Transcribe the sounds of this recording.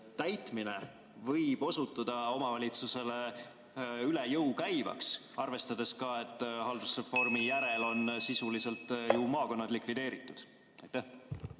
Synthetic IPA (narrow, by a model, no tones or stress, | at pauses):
t̪æjt̪mine̞ | vɤjb̥o̞sut̪ˑːɑd̪̥ɑo̞mɑvɑlʲit̪suse̞le̞ | ylejɤuwkæjvɑ̰ks | ɑrve̞st̪ɑd̪̥e̞skɑe̞t̪ːˑhɑld̪̥usrefo̞rmijæɾe̞lo̞nsisulise̞lt̪ːˑjumɑːko̞nːɑd̪̥likvid̪e̞ːɾit̪ːˑud̪̥ | ɑjt̪ːæh